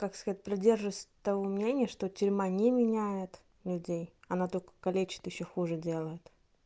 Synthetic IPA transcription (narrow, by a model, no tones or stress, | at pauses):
kakskɐzat̚ʲpɾɪdʲe̞rʐɨvəsʲt̪ɐvomnʲenʲɪjəʂt̪otʲʊɾʲmanʲemʲɪnʲæjɪt̪ | lʲʉdʲejɐnat̪olʲkə̥kɐlʲet͡ɕɪ̥t̪jɪɕːoxuʐɨdʲe̞lˠəjɪt̪